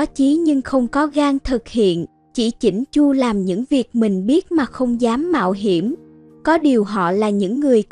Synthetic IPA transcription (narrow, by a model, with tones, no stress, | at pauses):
a˨˦t͡ɕi˨˦ɲɨ˧ŋxə˧wŋ͡mkɔ˨˦ɣaː˧ŋt̪ʰɨ˨˩k̚hḭ˧˨ən | t͡ɕḭ˧˩t͡ɕi˧˩ŋ̟t͡ɕu˧laː˨˩mɲɨ̰˧˥ŋvi˨˩ək̚mï˨˩ŋ̟ɓi˦˥ət̚maː˨˩xə˧wŋ͡mzaː˨˦mːa̰ː˧˨wɦi˧˩əm | kɔ˨˦ɗi˨˩əwɦɔ̰˧˨laː˨˩ɲɨ̰˧˥ŋːɨ˨˩əj